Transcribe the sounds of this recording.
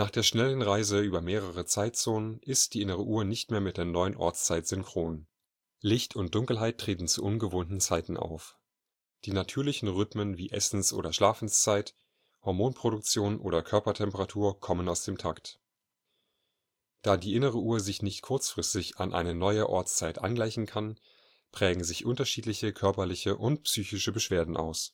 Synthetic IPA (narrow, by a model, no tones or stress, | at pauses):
naːχd̥eːɐʃnɛlənʁaɪzəyːbɐmeːʁ̞əʁ̞ət͡saɪt̚t͡soːnənʔɪstd̥iːʔɪnəʁ̞əʔuːɐnɪçtmeːɐmɪt̚d̥eːɐnɔʏənʔɔ̰ɐt͡st͡saɪtz̥ʏŋkʁ̥oːn | lɪçtʰʊnt̚d̥ʊŋkl̩ɦaɪtʰːʁ̥eːtn̩t͡suʔʊnɡəvoːntn̩t͡saɪtn̩ʔa̰ʊf | d̥iːnatʰyːɐlɪçn̩ʁʏtmənviːʔɛsn̩sʔo̰ːɾɐʃlaːfn̩st͡saɪt | hɔɐmoːnpʁ̥oɾʊk̚t͡sjoːnʔo̰ːɾɐkʰœɐpɐtʰɛmpəʁatʰuːɐkʰɔmənaʊsd̥eːmtʰakt | d̥aːdiːʔɪnəʁ̞əʔuːɐzɪçnɪçtkʰʊɐt͡sfʁ̥ɪstɪça̰nʔa̰ɪnənɔʏəʔɔɐt͡st͡saɪtʔa̰nɡlaɪçn̩kʰan | pʁ̥ɛːɡŋ̩zɪçʔʊntɐʃiːtlɪçəkʰœɐpɐlɪçəʔʊntpsyːçɪʃəbəʃv̥eːɐdn̩ʔa̰ʊs